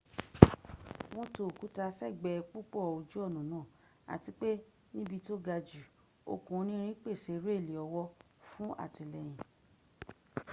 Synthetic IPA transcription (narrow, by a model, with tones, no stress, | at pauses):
w̃ɔ̃˧to˨ku˨˦ta˧sɛ˦˨ɡ͡bɛ˧k͡pu˦k͡pɔ˦˨o˧d͡ʒu˦ɔ˦˨nũ˨nãː˦˨ | a̰˨ti˨˦k͡pe˦ | nĩ˦bi˧to˦ɡa˧d͡ʒu˨ | o̰˧kũ˨˦nĩ˦ɾ̃ĩ˦k͡pe˦˨se˨˧˦ɾe˦˨le˨ɔ˧wɔ˧ | fũ˦a̰˦˨ti˧lɛ˨j̃ĩ˨